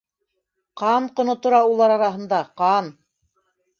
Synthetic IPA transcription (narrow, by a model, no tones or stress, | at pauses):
qɑnqŏnot̪ŏɾɑulˠɑɾɑɾɑɦɤ̆nd̪ɑqɑn